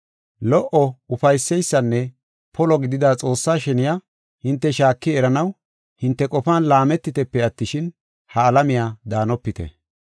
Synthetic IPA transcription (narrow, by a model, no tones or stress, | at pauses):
lɔʔɔʊfɐjsːɛjsːɐnːɛ | pʰɔlɔɡɪd̪ɪd̪aːt͡sʼo̞ːsːaːʃɛnɪja | hɪnt̪ːɛʃaːkːɪɛɾɐnɐw | hɪnt̪ːɛkʼɔfaːnlaːmɛt̪ːɪt̪ɛpːɛɐt̪ːɪʃɪn | hɐːlɐmɪjaːd̪aːnɔpːɪt̪ɛ̰